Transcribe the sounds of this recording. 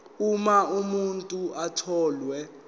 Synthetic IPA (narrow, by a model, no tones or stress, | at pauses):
umaumuntʼuʔatʰɔːlwɛ